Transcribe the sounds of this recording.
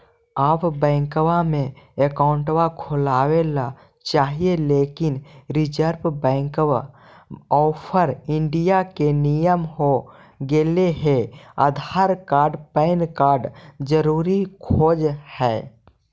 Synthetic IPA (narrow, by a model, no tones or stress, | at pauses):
aːpbɛ̃ːŋkwamẽ | ekaːʊɳʈwakʰʊlaːwela | t͡ʃaːɦieleːkɪnɾɪd͡ʒəɾbbɛ̃ːŋkwa | ɔːpʰəɾɪ̃ɳɖijakenijəmɦo | ɡeːleɦea̰d̪ʱaːɾkaːɾɖpɛɪnkaːɾɖd͡ʒəɾuːɾikʰoːd͡ʒhɛː